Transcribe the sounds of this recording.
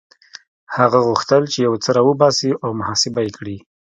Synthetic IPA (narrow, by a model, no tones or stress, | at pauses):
haɣaɣuxt̪əlt͡ʃejawt͡səɾɑwəbɑsiʔawmʊhɑsɪbajekɽi